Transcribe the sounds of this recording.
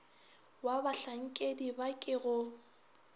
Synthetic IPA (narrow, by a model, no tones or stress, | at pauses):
wabaɬaŋ̩kʼedibakʼɪɣʊ